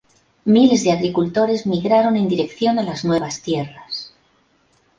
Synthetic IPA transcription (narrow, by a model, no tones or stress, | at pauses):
mile̞zðe̞aɣɾikult̪o̞ɾe̞zmiɣɾaɾo̞nend̪iɾe̞kθjo̞nelaznwe̞β̞ast̪je̞ras